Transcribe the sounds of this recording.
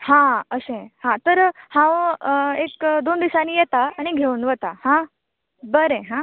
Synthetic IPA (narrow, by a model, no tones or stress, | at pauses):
hãəsẽhãt̪əɾhãʋekd̪ond̪isaniːjɛt̪aːñiɡʱeunʋət̪ahã | bəɾẽɦã